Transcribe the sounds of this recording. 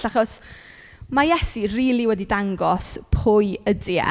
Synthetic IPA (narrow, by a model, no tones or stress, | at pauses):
aχɔs | majɛsiriːlˠiwɛdidaŋɡɔspʰʊɨədiə̰